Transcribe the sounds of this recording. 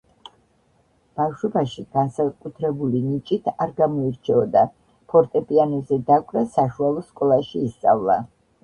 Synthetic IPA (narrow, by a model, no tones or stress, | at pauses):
b̥afʃwɛbaʃiɡ̥ansakʼut̪ʰɾɛbulinit͡ʃʼit̪ʰaɾɡamɔiɾt͡ʃʰɛɔd̪a | pʰɔɾt̪ʼɛpʼianɛzɛd̪akʷʼɾasaʃualˠɔskʼɔlˠaʃiːst̪sʼa̰vlˠa̰